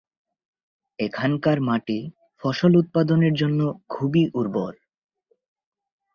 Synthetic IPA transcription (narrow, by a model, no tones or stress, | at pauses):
ekʰankaɾmaʈi | fɔʃolut̪̚pad̪oneɾd͡ʑonːokʰubiʔuɾboɾ